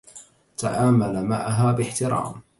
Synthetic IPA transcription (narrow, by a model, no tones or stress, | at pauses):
t̪a̰ʔaːmalamaʕaɦaːbɪħt̪ɪɾɑ̰ːm